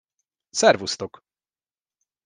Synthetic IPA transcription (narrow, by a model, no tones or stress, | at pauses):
sɛɾvust̪ɔk